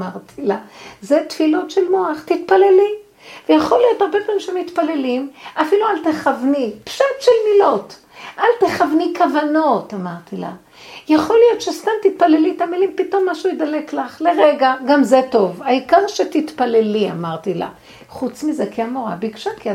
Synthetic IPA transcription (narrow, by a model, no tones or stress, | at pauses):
maʁtʰilazet̪filotʃelmo̞aχt̪it̪paleli | vejaχolijo̞t̪aʁbedvimʃeemit̪pale̞limʔafilualteχavnipʃatʃelmilo̞t | ʔalteχavnikavano̞tamaʁt̪ila̰ | jaχo̞lijo̞tʃest̪amt̪it̪̚palelit̪amilimpito̞mːaʃujed̪ale̞klaχleʁeɡaɡamzeto̞vaikaʁʃet̪it̪pale̞lia̰maʁt̪ila̰ | χut͡smizekiamoʁa̰bikʃakia